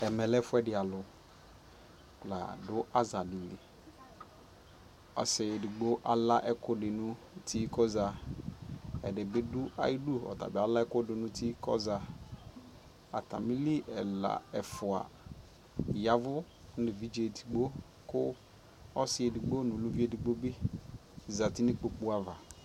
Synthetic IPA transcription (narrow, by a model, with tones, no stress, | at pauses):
ɛ˨mɛ˨lɛ˦fʊ˦ɛ˦dɪ˨a˨lʊ˨ | k͡pla̰˨dʊ˦a˦za˨dɪ˨li˨ | ɔ̰˨sɪ˨dɪ˨ɡ͡bo˦ʔa˦la˦ʔɛ˦kʊ˦dɪ˨nʊ̃˦ | tʰi˦kɔ˦za˨ | ɛ̰˨dɪ˨bɪ˦dʊ˦a̰˦ji˦du˦ɔ̰˨ta̰˨bɪ˨a˨la˦ɛ˦kʊ˦dɪ˨nʊ̃˦tʰi˦kɔ̰˦za˨ | a˨ta̰˨mi˦li˦ʔɛ˨la̰˨ɛ˨fʊ˨a̰˨ | ja˦vʊ˦ | nɪ˨vi˦d͡ʒe˨ti̥˨ɡ͡bo˦ | kʊ˦ | ɔ˦sɪ˨˦e˨di˨ɡ͡bo˦nʊ˨lu˦vi˦e˦˨di˨ɡ͡bo˦bɪ˦ | za˨ti˦nɪ˦k͡po˨k͡pu˦a˦va˨